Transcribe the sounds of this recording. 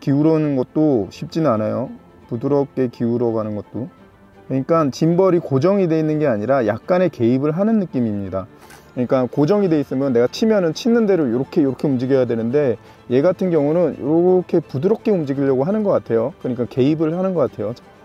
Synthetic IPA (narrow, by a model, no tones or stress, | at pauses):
kiuɾʌnɯnɡʌt̚t͈oɕʰip̚t͡ɕ͈inɯnanajo | pudɯɾʌp̚k͈e̞kiuɾʌɡanɯnɡʌt̚t͈o | kɯɲik͈ant͡ɕimbʌɾikod͡ʑʌŋide̞inːɯnɡe̞aɲiɾajak̚k͈ane̞ke̞ibɯɭɦanɯnːɯk͈imimɲida | kɯʌɲik͈ankod͡ʑʌŋide̞is͈ɯmjʌnːe̞ɡat͡ɕʰimjʌnɯnt͡ɕʰinːɯnde̞ɾojoɾʌkʰe̞joɾʌkʰe̞umd͡ʑiɡjʌjadwe̞nɯnde̞ | je̞ɡatʰɯnɡjʌŋunɯnjo̰ɾʌʌkʰe̞pudɯɾʌp̚k͈e̞umd͡ʑiɡiʎːʌɡoɦanɯnɡʌk͈atʰe̞jokɯɲik͈anke̞ibɯɭhanɯnɡʌk͈atʰe̞jot͡ɕʰ